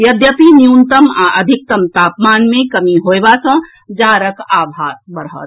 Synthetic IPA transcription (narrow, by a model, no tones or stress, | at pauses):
jɐd̪jəpinjuːnt̪əmaʔəd̪ʱɪk̚t̪ɐmt̪aːpmaːnmẽkɐmiɦoːebasə̃ | d͡ʒaːɾəkaːbʱaːt̪bəɾɦə̰t̪